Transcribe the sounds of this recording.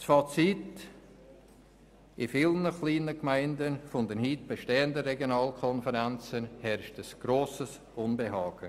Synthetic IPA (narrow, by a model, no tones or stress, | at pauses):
sfɑt͡sit | ɪfiːlnəχliːnəkmaɪndənfʊndənhiːt̚b̥eʃteːəndəɾɛɡjonɑːlkʰɔnfəɾant͡sənhɛɾʃtəsɡ̥ɾoːsəs | ʊnbeɦɑːɡ̥ə